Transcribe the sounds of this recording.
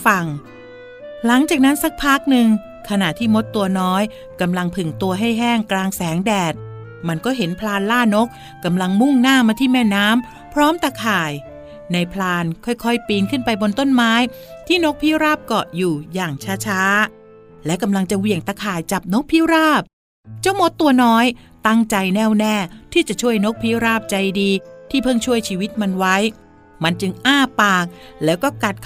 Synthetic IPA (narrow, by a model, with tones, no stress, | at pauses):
fa˨˩ŋ | la˩˦ŋt͡ɕaː˨˩k̚na˦˥nsa˦˥k̚pʰaː˦˥˩k̚nɯ˧ŋ | kʰa˧na˨˩ʔt̪ʰiː˥˩mo˦˥t̪ːu˧ɐnɔː˦˥j | ka˧mla˧ŋpʰɯ˨˩ŋt̪u˧ɐɦa˥˩jɦɛː˥˩ŋklaː˧ŋsɛː˩˦ŋdɛː˨˩t̪̚ | ma˧nkɔː˥˩ɦe˩˦npʰlaː˧nlaː˥˩no˦˥k̚ːa˧mla˧ŋmu˥˩ŋnaː˥˩maː˧t̪ʰiː˥˩mɛː˥˩naː˦˥m | pʰɾɔː˦˥mt̪a˧kʰaː˨˩j | na˧jpʰlaː˧nkʰɔ˥˩jkʰɔ˥˩jpiː˧nkʰɯ˥˩npa˧jbo˧nt̪o˥˩nmaː˦˥jt̪ʰiː˥˩no˦˥k̚pʰiː˦˥˩wɾaː˥˩p̚kɔ˨˩juː˨˩jaː˨˩ŋt͡ɕʰaː˦˥t͡ɕʰaː˦˥ | lɛː˦˥wka˧mla˧ŋt͡ɕa˨˩wi˨˩əŋt̪aː˧kʰaː˨˩jt͡ɕa˨˩p̚no˦˥k̚pʰiː˦˥˨wɾaː˥˩p̚ | t͡ɕa˥˩wmo˦˥t̪ːu˧ɐnɔː˦˥j | t̪a˥˩ŋt͡ɕa˧jnɛː˥˩wnɛː˥˩t̪ʰiː˥˩t͡ɕa˨˩ʔt͡ɕʰu˥˩əjno˦˥k̚pʰiː˦˥wɾaː˥˩p̚t͡ɕa˧jdiː˧t̪ʰiː˥˩pʰɤ˥˩ŋt͡ɕʰu˥˩əjt͡ɕʰiː˧wi˦˥t̪̚ma˧nwa˦˥j | ma˧nt͡ɕɯ˧ŋʔaː˥˩paː˨˩k̚lɛː˦˥wkɔː˥˩ka˨˩t̪̚kʰ